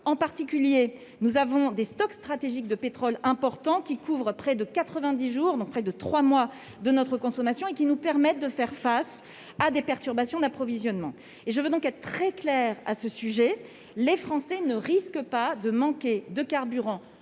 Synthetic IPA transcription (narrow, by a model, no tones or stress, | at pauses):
ɑ̃paʁt̪ikʲylje | nuzavɔ̃d̪est̪ɔkst̪χat̪eʒik̚d̪əpet̪χɔlɛ̃pɔʁt̪ɑ̃kʲikʰuvʁəpχɛd̪əkat̪χəvɛ̃d̪iʒuːʁd̪ɔ̃k̚pχɛd̪ət̪χwamwa | d̪ənɔt̪χəkɔ̃sɔmasjɔ̃ekʲinupɛʁmɛt̪̚d̪əfɛʁfas | ad̪epɛʁt̪yʁbasjɔ̃d̪apχɔvizjɔnmɑ̰̃ | eʒəvød̪ɔ̃kɛt̪χət̪χɛklɛʁa̰səsyʒɛ | lefχɑ̃sɛnəʁiskəpad̪əmɑ̃kʲed̪əkaʁbyʁɑ̃